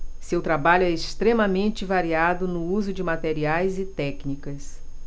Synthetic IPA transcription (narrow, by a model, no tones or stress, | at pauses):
sewt̪ɾabaʎʊɛɪst̪ɾẽmɐmẽnt͡ʃɪvaɾiad̪ʊnʊuzʊd͡ʒɪmat̪eɾiajzɪt̪ɛknikɐs